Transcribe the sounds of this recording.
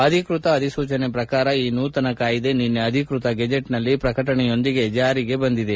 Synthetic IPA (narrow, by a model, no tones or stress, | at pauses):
ɐd̪ʱikɾut̪ɐːd̪ʱisuːt͡ʃɐnepɾɐkaːɾɐiːnuːt̪ɐnɐkaːjid̪e̞ninːeɐd̪ʱikɾut̪ɐɡɐd͡ʒeʈnɐlːipɾɐkɐʈɐɳɛjo̞nd̪iɡe̞d͡ʒaːɾiɡe̞bɐnd̪id̪e